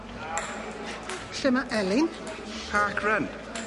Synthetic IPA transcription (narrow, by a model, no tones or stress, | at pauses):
ɬɪmaʔɛlɪn | pʰaːkʰɹən